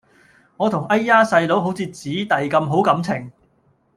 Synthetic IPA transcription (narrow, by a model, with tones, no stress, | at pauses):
ŋɔː˨˧t̪ʰʊ˨˩ŋɐ˥jːaː˥sɐ˧jlo˨˥wɦo˨˥wt͡sʰiː˧t͡siː˨˥t̪ɐ˨jkɐ˧mɦo˨˥wkɐ˨˥mt͡sʰɪ˨˩ŋ